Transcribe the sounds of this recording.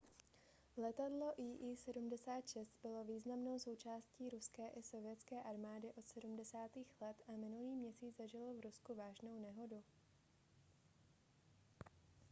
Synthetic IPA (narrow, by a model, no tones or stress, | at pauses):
lɛt̪adlo̞ʔiːʔiːsɛdumdɛsaːt̪ʃɛst̪bɪlo̞viːznamno̞wso̞wt͡ʃaːsciːɾuskɛːʔɪso̞vɪɛt͡skɛːʔaɾmaːdɪʔo̞t̪sɛdumdɛsaːt̪iːxlɛt̪ʔamɪnuliːmɲɛsiːd͡zzaʒɪlovɾuskuvaːʒno̞wnɛɦo̞du